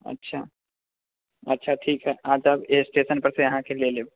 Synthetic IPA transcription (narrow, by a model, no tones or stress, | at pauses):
ə̰tːʃʰa̰ː | ətːʃʰaʈʰiːkɦɛʔaːd͡ʒəbesʈeːsənpɐɾsejɐɦãkeleːleː